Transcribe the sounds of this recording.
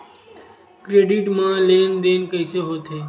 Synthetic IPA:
kɾeːɖɪʈmãːleːnd̪eːnkəɪseɦoːt̪ɦeː

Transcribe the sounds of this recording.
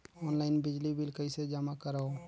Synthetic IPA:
ɔːnlaːɪnbɪd͡ʒlibʱɪlkəised͡ʒəmakəɾaɦo

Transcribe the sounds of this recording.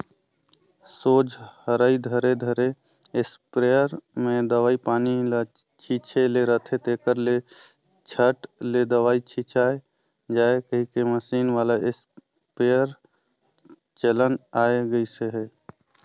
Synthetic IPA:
soːd͡ʒʱhəɾaːid̪ʱəɾed̪ʱəɾe | ɪspɾeːjəɾmẽd̪əʋaːipaːnila | t͡ʃʰiːt͡ʃʰeleɾət̪ʰet̪eːkəɾle | t͡ʃʰəʈled̪əʋaːit͡ʃʰiːt͡ʃʰaːe | d͡ʒaːekəɦĩkeməsiːnʋaːlaʔɪs | pɾeːəɾ | t͡ʃələnaːeɡəiseɦɛː

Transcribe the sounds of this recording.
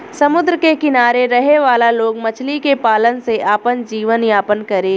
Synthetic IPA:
sɐmʊd̪ɾəkekɪnaːɾeɾɐɦeʋaːlaloːɡmɐt͡ʃʰlikepaːlənseʔaːpənd͡ʒiːʋənjaːpənkɐɾeː

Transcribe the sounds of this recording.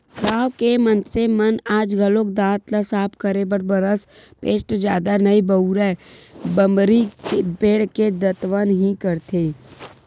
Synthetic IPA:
ɡaːwkemənsemənaːd͡ʒɡəlok̚d̪aːt̪lasaːp̚ʰkəɾebəɾbəɾəs | peːʃʈd͡ʒjaːd̪anəibəuɾɛbəmɾikpeːɽked̪ət̪ʋənɦĩkəɾt̪ʰeː

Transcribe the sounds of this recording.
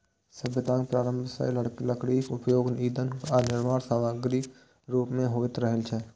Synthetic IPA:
səbjət̪ãːŋkpɾaːɾə̃mbʱsḛləɽkləkʰɽiːkʊpjoːɡniːd̪ənaɾnɪɾmaːɾsaːməɡɾi | ɾuːpmẽɦoːɪt̪ɾəɦəlt͡ʃʰɛː

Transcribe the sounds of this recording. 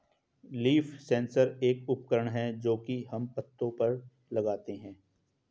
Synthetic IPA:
liːfsɛ̃ːnsəɾeːkʊp̚kəɾəɳ̃ɦɛd͡ʒoːkihɐmpət̪ːõpɐɾ | lɐɡaːt̪eɦɛ̃ː

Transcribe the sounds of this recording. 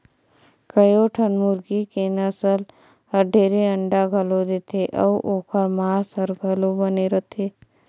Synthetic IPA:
kəjoʈʰənmuɾɡikenɐsəl | əɾɖʱeːɾeəɳɖaɡʱɐlod̪eːt̪ʰeʔɐ̰ʔoːkʰəɾmaːsəɾɡʱɐlobəneɾət̪ʰeː

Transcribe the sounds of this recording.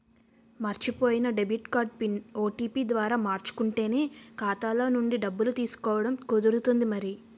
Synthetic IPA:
mɐɾt͡ʃipoːjinɐɖebuʈkaːʈ̚pinoːʈiːpiːd̪ʋaːɾaːmaːɾt͡ʃu̥kuɳʈe̞ːne̞ːkaːt̪aːloːnuɳɖiɖɐbːulut̪iːsu̥kɔːʋɐɽɐmkud̪uɾut̪und̪imɐɾi

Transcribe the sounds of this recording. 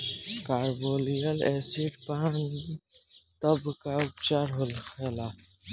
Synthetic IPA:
kaɾbolijəlɛsiʈpan | t̪ɔbkaʊpt͡ʃaɾɦolxʰela

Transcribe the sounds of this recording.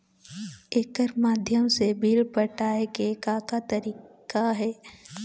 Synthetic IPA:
eːkəɾmaːd̪ʱjəmsebʱiːlpəʈaːekekakat̪ɐɾiːkaɦɛː

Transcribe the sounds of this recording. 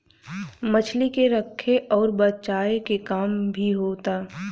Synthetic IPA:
mət͡ʃʰlikeɾəkʰːeʔɔːɾbət͡ʃaːekekaːmbʱiɦoːt̪aː

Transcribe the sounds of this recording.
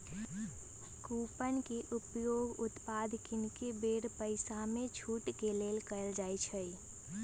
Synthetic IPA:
kuːpənkeʔʊpjoːɡʊt̪pad̪ʱkɪnkebeːɾpəɪsamẽt͡ʃʰuːʈkeleːlkəld͡ʒaːit͡ʃʰəi

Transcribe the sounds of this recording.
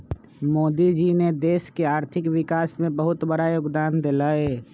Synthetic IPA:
moːd̪id͡ʒined̪eːʃkeaːɾt̪ʰɪkwɪkaːsmẽbəɦʊt̪bəɽajoːɡd̪aːnd̪ɪlaːeː

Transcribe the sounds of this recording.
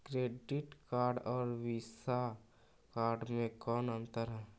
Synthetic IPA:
kɾeɖiʈkaɾɖɔːɾʋisa | kaɾɖmẽkɔnənt̪əɾɦɛ

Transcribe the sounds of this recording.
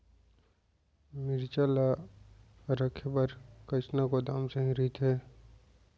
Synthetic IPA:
mɪɾt͡ʃala | ɾəkʰepəɾkət͡ʃnakod̪aːmsə̃ɦɾit̪ɦɛː

